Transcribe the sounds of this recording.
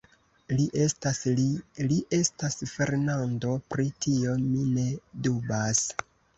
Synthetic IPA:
lissliʔe̞stasfe̞ɾnando̞pɾitʰio̞mine̞dubas

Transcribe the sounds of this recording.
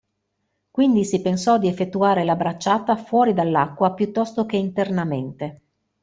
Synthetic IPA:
kwind̪isipensɔd̪iefːet̪ːuaːɾelabɾat͡ʃːaːt̪afwɔːɾid̪alːakːwapjut̪ːɔst̪okeint̪ernament̪e

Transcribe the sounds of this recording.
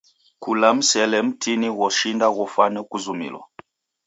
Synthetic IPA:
kulam̩sɛlɛm̩tʰiniɣɔʃindaɣɔfanɛkuzumḭlɔ̰

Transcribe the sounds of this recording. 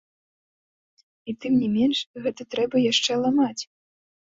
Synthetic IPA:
it̪ɨmnʲɛmʲɛnʂɣɛt̪ɐt̪ɾɛbɐjaʂt͡ʂɛlˠamat͡sʲ

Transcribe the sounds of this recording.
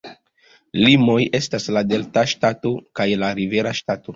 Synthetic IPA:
limo̞je̞staslade̞ltaʃtato̞kajlaɾive̞ɾaʃtato̞

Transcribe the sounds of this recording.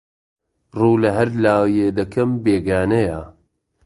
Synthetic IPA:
ruːlɐɦɐɾlaːwjed̪ɐkʰɐmbeːɡaːnɐja

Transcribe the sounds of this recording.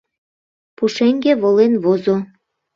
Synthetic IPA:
puʃeŋɡeβolenβozo

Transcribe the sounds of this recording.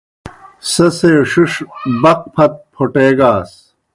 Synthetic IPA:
sɐsejoɕuʂbɐq̚pʰɐt̪̚pʰoʈeːɡaːs

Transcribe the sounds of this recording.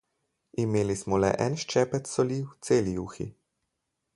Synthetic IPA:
imeːlismɔlɛ̰ʔɛnʃt͡ʃɛːpɛt̪sɔliːwt̪seːlijuːxḭ

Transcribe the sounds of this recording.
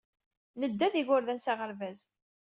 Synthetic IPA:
nəd̪ːæðiʝʊɾðænsaʁəɾvæz

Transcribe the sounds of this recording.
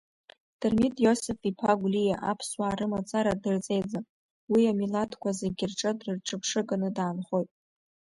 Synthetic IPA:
d̥ɨrmitʼjo̞sɨfipʰaɡʷlijaʔa̰pʰswaːɾɨmat͡sʼaɾadɨrt͡sʼe̞jd͡zam | wiamilatʰkʷʰazeɡʲɪrʈ͡ʂʼɨdrɨrʈ͡ʂʰʼɨpʰʂɨɡʼanɨdaːnχo̞jtʼ

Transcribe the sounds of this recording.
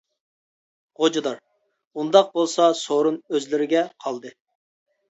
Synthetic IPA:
ʁod͡ʒɑd̪ɑɾ | und̪ɑq̚bolˠsɑsoɾunøzlɪɾɪɡʲɛqʰɑlˠd̪ɨ

